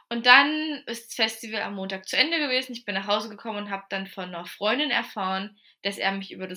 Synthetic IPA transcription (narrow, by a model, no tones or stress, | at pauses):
ʔʊnt̚d̥anʔɪstsfɛstivəla̰mːoːntaːk̚t͡suʔɛndəɡəveːzn̩ɪç̬b̥ɪnːaːχhaʊzəɡəkʰɔmənʊntɦaːbəd̥anfɔnɐfʁ̥ɔʏndɪnɛ̰ɐfaːʁən | d̥asʔḛːɐmɪçʔy̰ːbɐdas